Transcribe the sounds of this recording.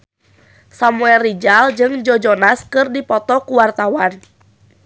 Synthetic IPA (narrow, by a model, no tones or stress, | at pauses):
samuɛlrːid͡ʒald͡ʒɨŋd͡ʒɔd͡ʒɔnaskɨrdipɔt̪ɔkuwart̪awan